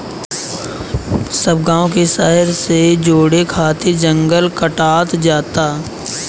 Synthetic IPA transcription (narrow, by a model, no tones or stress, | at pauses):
səb̚ɡãːõkeʃaɦɪɾsed͡ʒoːɽekʰaːt̪ed͡ʒə̃ŋɡəlkəʈaːt̪d͡ʒaːt̪aː